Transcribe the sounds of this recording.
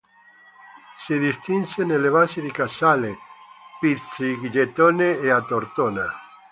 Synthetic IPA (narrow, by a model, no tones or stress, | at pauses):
siðist̪insenelːeβasiðikasalepit̪siɡd͡ʒet̪oneeat̪oɾt̪ona